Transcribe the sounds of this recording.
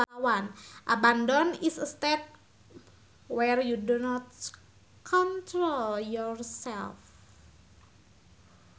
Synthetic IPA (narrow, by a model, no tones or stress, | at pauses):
wanʔabandɔnisst̪ɛt̚ | wɛrjudunɔt | kʰɔntɾoljɔrsɛlf